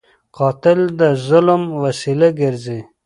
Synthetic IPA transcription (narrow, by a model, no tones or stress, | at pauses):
qɑt̪ɪld̪əzʊlmwasilaɡɪɾze